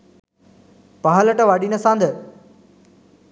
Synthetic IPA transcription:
paɦələʈəʋaːɖinəsãːnd̪ə

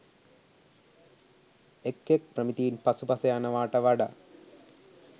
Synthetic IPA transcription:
ekːek̚prɐmit̪ijinpɐsupɐsɐjaːnɐʋaːʈɐʋɐɖɐ̰

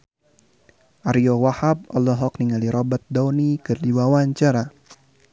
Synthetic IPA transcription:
ʔaɾiɔwahab̚ɔ̰lːɔɦɔk̚niŋaliɾɔbat̪̚dɔwnikɨrdiwawaɲt͡ʃaɾa

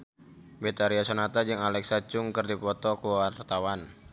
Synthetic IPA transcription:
bet̪aɾiasonat̪ad͡ʒɨŋalɛksat͡ʃʊŋkɨrdipɔt̪ɔkuwart̪awan

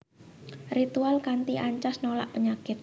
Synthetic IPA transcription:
rit̪ualkant̪iʔaɲt͡ʃasnola̰ʔpəɲakɪt̪̚

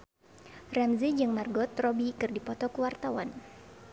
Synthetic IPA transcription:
rɛmzid͡ʒɨŋmarɡɔt̪rɔbikɨrdipɔt̪ɔkuwart̪awan

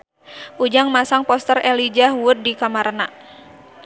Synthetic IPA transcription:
ʔud͡ʒaŋmasaŋpɔst̪ərɛlid͡ʒahwʊd̚dikamaɾna

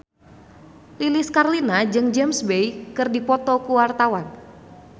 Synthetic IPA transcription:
liliskarlinad͡ʒɨŋd͡ʒɛmsbejkɨrdipɔt̪ɔkuwart̪awan

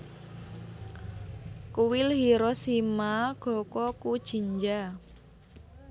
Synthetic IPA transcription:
kuwɪlhiɾɔsimaɡ̥ɔ̤kɔkud̥ʒ̥i̤ɲd͡ʒa

